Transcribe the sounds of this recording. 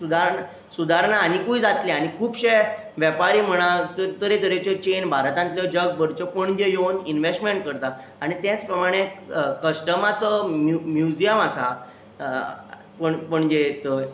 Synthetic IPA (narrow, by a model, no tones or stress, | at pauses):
sud̪ʱaɾna | sud̪ʱaɾɳaːñikuid͡zat̪leaɽ̃ikʰuːpɕe | ʋjəpaɾiːm̤əɽ̃at̪əɾt̪əɾed̪əɾet͡ɕət͡ɕenbʱaɾt̪ãnt̪ljəd͡ʑəɡbəɾt͡ɕəpəɳd͡ʑejoninʋesʈmeɳʈ̚kəɾt̪a | aɽ̃it̪ɛ̃t͡spɾəmaɽ̃ekəɕʈəmat͡səmumjud͡ʑijəmasa | pəɳpəɳd͡ʑet̪